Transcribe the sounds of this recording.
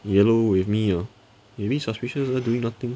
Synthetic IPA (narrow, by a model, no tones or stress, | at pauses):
jɛlowɪfmiɔ | mebisɔspɪʃəsaduɪ̃ŋnat̪ɪ̃ŋ